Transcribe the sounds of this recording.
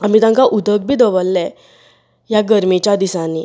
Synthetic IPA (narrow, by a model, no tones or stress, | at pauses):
am̤it̪ãŋkaʔud̪ʱək̚bʱid̪ɔʋəlːɛ | jaɡəɾmit͡ɕad̪isãni